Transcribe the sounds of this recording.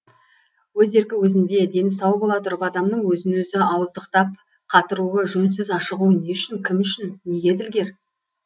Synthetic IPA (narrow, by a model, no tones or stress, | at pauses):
wɵze̞ɾɡʲɪwɵzɪnd̪e̞d̪e̞nɪsɑwbo̞lˠɑt̪ʰʊɾpɑd̪ɑmnəɴwɵzɪnwɵzɪɑwəzd̪əqt̪ɑp̚ | qʰɑt̪əɾuəʒɵns̬ɪzɑʃəʁuəne̞ʏʃɪŋkʲʰɪmʏʃɪnːe̞ɡʲe̞d̪ɪlɡʲe̞ɾ